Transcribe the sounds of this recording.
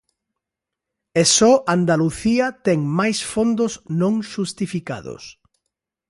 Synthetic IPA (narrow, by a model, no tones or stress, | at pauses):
ɛsɔʔand̪aluθiɐt̪ɛŋmajsfond̪osnõŋʃust̪ifika̰ðʊ̰s